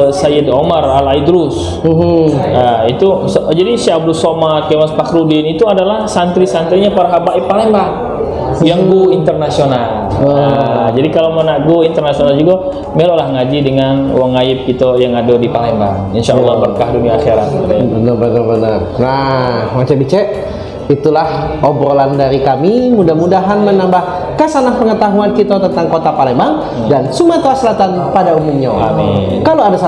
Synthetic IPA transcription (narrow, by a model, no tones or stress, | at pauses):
sajɪdomaralaidɾus | ait̪usd͡ʒadisiab̚dusomakemaspakɾudɪnit̪uadalahsant̪ɾisant̪ɾiɲapaɾaɦabaipalembaŋ | jaŋɡuint̪ərnasional | ad͡ʒadikalomanaʔɡoint̪ərnasionald͡ʒuɡa | melolahŋad͡ʒidəŋanwaŋaɪp̚kit̪ojaŋadodipalemba̰ŋinʃaʔalːahbərkahduniaːxeɾat̪̚bənərbənərbənərnahmat͡ʃabit͡ʃɛʔ | it̪ulah | obɾolandaɾikamimudahmudaɦanmənambah | kasanahpəŋət̪aɦuankit̪ot̪ənt̪aŋkot̪apalembaŋ | dansumat̪oaslat̪an | padaumuɲaami | kaloadasa